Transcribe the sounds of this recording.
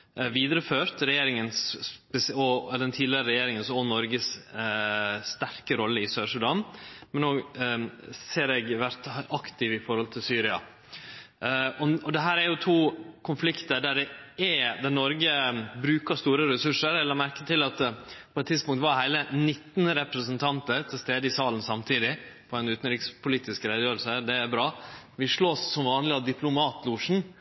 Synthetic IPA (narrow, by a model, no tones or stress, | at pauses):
ʋiːd̪ɾəføːɾt̪ɾɛjeːɾɪŋənspɛsɔd̪ɛnt̪ʰiːd̪lɪəɾəɾɛjeːɾɪŋənsɔnɔɾɡəs | st̪æɾkəɾɔlːəɪsøːʂʉd̪ɑnmɛnːoː | seːɾɛɡʋæɾt̪ʔɑkt̪ɪʋɪfɔɾhɔlt̪ʰɪlsyːɾɪɑ̰ | ɔɔd̪ɛɦæːɾæɾjʊt̪ʰuːkʰʊnflɪkt̪əɖæɖɛɛd̪ænɔɾɡəbɾʉːkəst̪uːɾəɾɛsʉʂːəɾɛlːəɾmæɾkət̪ʰɪlɑt̪pʰɔɛt̪ʰːɪd̪spʊŋkt̪ʋɑɾɦæɪlənɪt̪ːnɾɛpɾəsənt̪ʰɑnt̪əɾt̪ʰɪlst̪eːd̪əɪsɑːlən̩sɑmt̪ʰiːd̪ɪpʰɔænʉːt̪n̩ɾɪkspʰʊliːt̪ɪskɾɛɪd̪əjøːɾəl̩səd̪ɛæɾbɾɑːʋɪʂɭoːsːɔmʋɑːnlɪɑd̪ɪpʰlʊmɑːt̪ʰluːʂn̩